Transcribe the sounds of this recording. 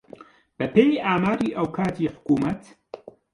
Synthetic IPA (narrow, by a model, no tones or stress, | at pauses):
b̥ɐpeːjiaːmaːɾiːʔɐwkʰaːt̪ʰiːħʊ̥kuːmɐt̪